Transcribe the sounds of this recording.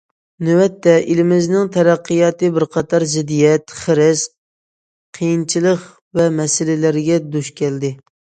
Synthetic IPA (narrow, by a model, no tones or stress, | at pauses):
nywɛt̪ːɛʔilɪmɪznɪŋt̪ʰɛɾæqːɨjɑːt̪ɨbɪɾqʰɑt̪ʰɑɾzɪd̪ijɛt̪χəɾɪs | qʰejint͡ʃʰilˠəq | vɛmɛsɪlɪlæɾɡʲɛd̪uʃkʲɛld̪ɪ